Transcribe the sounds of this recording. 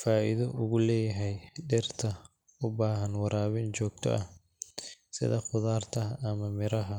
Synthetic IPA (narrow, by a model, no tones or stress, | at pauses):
faːʔɪðɔʔʊɣʊlɛːjɐɦɛjɖɛrt̪ʰɐ | ʊbaːɦɐnwɑɾaːβɪnt͡ʃɔːɡ̚t̪ʰɔ̰ʔɐh | sɪ̰ðɐχʊðaːrt̪ʰɐɦʔːmɐmɪɾɐɦɐ